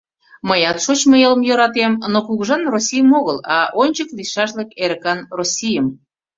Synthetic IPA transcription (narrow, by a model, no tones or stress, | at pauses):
məjɑt̪ʃot͡ɕməeləmjoɾɑt̪emnokuɣʒɑnrosʲijəmoɣəlɑ̰ʔonʲt͡ɕəkliʃɑʃləkeɾəkɑnrosʲijəm